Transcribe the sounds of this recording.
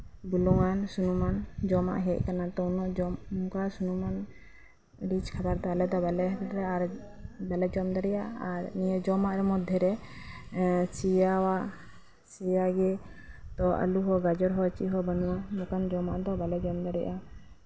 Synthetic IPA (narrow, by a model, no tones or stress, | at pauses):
bulɔŋansunumand͡ʒɔma̰ʔɦɛc̚kanat̪ɔunɔʔd͡ʒɔkasunuman | ɾit͡ʃkʰabaɾt̪ɔalɛd̪ɔbalɛɦt̪ɾɛaɾbalɛd͡ʒɔmd̪aɾɛjʔaaɾniəd͡ʒɔmaʔɾɛmɔd̪ʱːjɛɾɛ | t͡ʃijawaʔ | t͡ʃijaɡɛt̪ɔʔə̰luɦɔɡad͡ʒɔɾɦɔt͡ʃiʔɦɔbənuwamɔkand͡ʒɔma̰ʔd̪ɔbalɛd͡ʒɔmd̪aɾɛʔa